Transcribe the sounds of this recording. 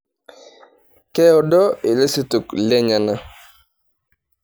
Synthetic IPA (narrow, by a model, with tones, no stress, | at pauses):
kɛ˦ɔ˨dɔ˦ɪ˨le˦si˦tu˨klɛ˦ɲa˨na˦